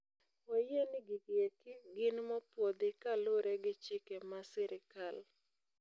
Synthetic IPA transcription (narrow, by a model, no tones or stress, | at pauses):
wɛjenɪɡɪɡekɪɡɪnmɔpwod̪ɪkaloɾeɡɪt͡ʃɪkemasɪɾɪkal